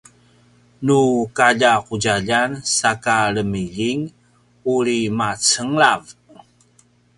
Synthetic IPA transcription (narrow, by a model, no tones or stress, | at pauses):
nukaʎaquɟaʎansakaɾəmiʎiŋ | uɾimat͡səŋlav